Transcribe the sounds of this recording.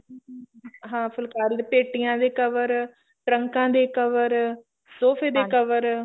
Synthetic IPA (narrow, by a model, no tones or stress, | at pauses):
ɦãːpʰəlkaːɾd̪epeːʈijãːd̪eːkəʋəɾ | ʈɾəŋkãːd̪eːkəʋəɾ | soːpʰeːd̪eːkəʋəɾ